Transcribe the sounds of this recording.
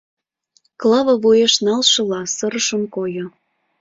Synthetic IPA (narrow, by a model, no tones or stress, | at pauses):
klɑβəvujeʃnɑlʃɤ̆lɑsəɾəʃə̆mkojo